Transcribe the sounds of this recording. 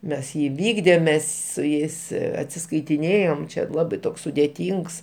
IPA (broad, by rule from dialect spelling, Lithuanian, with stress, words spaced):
ˈmʲɛs ˈjiː ɪˈʋʲiːɡdʲeːm ˈmʲɛs sʊ ˈjɛɪs ɐtʲsʲɪskɐɪtʲɪˈnʲeːjoːm ˈt͡ʃʲɛ ˈlˠɑːbɐɪ ˈtoːks sʊdʲeːˈtʲiːŋks